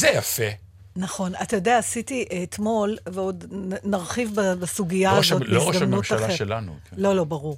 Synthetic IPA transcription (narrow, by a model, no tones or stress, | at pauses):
zejafe | naχo̞natajodeaːsitiːtmo̞lveo̞dnaʁχivbabesuɡijazotiooʃdamnmuʃtaχeʃelanṵklo̞lo̞baʁuʁ